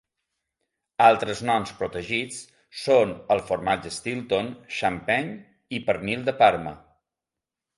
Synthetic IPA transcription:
alˠt̪ɾəznɔnspɾut̪əʒit͡s | sonəlˠfuɾmad͡ʒəst̪ilˠt̪onʃampɛɲ | ipəɾnilˠd̪əpaɾmə̰

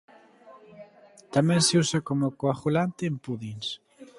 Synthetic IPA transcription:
t̪amɛ̃nseusakomokoaχulant̪eːmpuðins

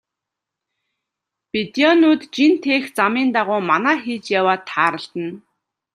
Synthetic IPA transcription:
pit̪iɔnuːt̪t͡ɕint̪ʰeːxt͡samiːnt̪aʁʊːmanæːxiːt͡ɕjawaːt̪ʰːaːɾə̆ɬt̪ə̆n

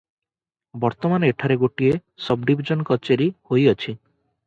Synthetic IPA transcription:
bɔɾt̪ɔmaneʈʰaɾeɡoʈiesɔb̚ɖibʱid͡ʒɔnkɔt͡ʃeɾihojɔt͡ʃʰi

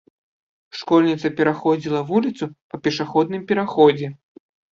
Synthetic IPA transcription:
ʂkɔlʲnʲit̪sɐpʲɛɾaxɔd͡zʲilˠɐvulʲit̪supɐpʲɛʂaxɔd̪̚nɨmpʲɛɾaxɔd͡zʲɛ

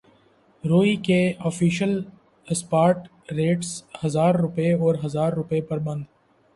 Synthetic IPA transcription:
ɾoːikeɔːfiːʃəl | spaːɾʈ | ɾeːʈshɐzaːɾːʊpeɔːɾɦɐzaːɾːʊpepɐɾbɐ̃nd̪

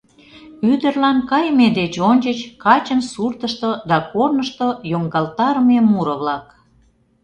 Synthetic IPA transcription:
yd̪ərlɑnkɑjmed̪et͡ɕonʲt͡ɕət͡ɕkɑt͡ɕənsurt̪əʃt̪od̪ɑkornəʃt̪ojoŋɡɑlt̪ɑɾəmemuɾə̆βlɑk

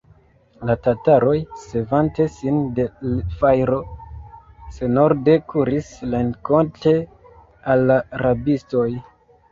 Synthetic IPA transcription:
latataɾo̞jse̞vante̞sinde̞lfajɾo̞ | se̞no̞ɾde̞kʰuɾislenko̞nte̞ | alːaaɾabisto̞j

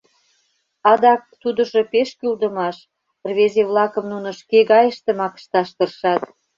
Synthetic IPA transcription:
ɑd̪ɑk̚t̪ud̪ə̆ʒopeʃkyld̪ə̆mɑʃ | rβezeβlɑkə̆mnunŏʃkeɣɑjəʃt̪ĕmɑkə̥ʃt̪ɑʃt̪ərʃɑt̪

